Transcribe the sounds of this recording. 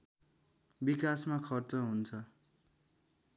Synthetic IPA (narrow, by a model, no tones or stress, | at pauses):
bikasmakʰʌrt͡sʌɦunt͡sʰʌ